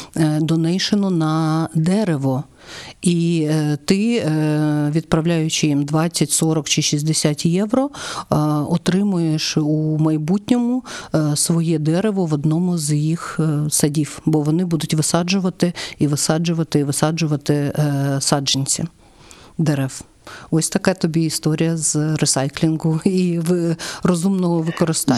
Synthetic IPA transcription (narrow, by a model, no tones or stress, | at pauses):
d̪ɔnɛjʃenɔnɐd̪ɛɾeʋɔ | it̪ɪ | ʋʲid̪̚pɾɐʋlʲajʊt͡ʃɪjimd̪ʋɑt͡sʲːɐtʲsɔɾɔkt͡ʃɪʃizʲd̪esʲatʲjɛʋɾɔ | ɔt̪ɾɪmʊjeʃumɐjbutʲnʲɔmʊsʋɔjɛd̪ɛɾeʋɔʋɔd̪nɔmʊzjixsɐdʲiwbɔʋɔnɪbud̪ʊtʲʋɪsɑd͡ʒʊʋɐt̪ɪiʋɪsɑd͡ʒʊʋɐt̪ɪiʋɪsɑd͡ʒʊʋɐt̪ɪsɑd͡ʒenʲt͡sʲi | d̪ɛɾɛw | ɔsʲt̪ɐkɛt̪ɔbʲiist̪ɔɾʲijɐzɾɪsɑjklʲinɡʊiʋɪrɔzumnɔɦɔʋɪkɔɾɪst̪ɑ